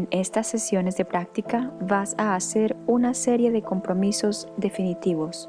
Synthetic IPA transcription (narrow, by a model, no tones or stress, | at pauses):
nest̪asesjo̞nezðepɾak̚t̪ikaβasaːse̞ɾunaseɾjeðeko̞mpɾo̞miso̞zd̪e̞finit̪iβo̞s